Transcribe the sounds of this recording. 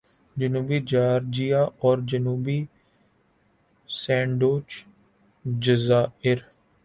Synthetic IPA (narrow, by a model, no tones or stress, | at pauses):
d͡ʒənuːbiːd͡ʒaːɾd͡ʒijaːʔɔːɾd͡ʒənuːbiː | sɛ̃ːɳɖoːt͡ʃ | d͡ʒəzaːɪɾ